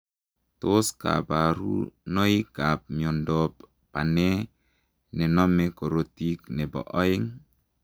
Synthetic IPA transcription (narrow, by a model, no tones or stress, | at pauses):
toska̰baɾṵnojkap̚miondɔp | pane | nenɔmekoɾotiknebɔ̰ʔɔiŋ